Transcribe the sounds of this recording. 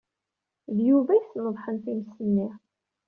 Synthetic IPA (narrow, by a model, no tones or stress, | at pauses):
ðjuvæjθnəðˤħənt̪iməsənːi